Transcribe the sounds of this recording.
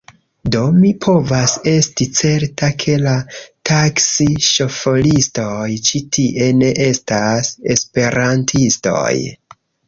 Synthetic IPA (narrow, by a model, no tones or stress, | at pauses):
do̞mipʰo̞vase̞stit͡se̞ɾtakʰe̞lataksiʃo̞fo̞listo̞jt͡ʃitʰiʔe̞ne̞ʔe̞stase̞spe̞ɾantʰisto̞̰j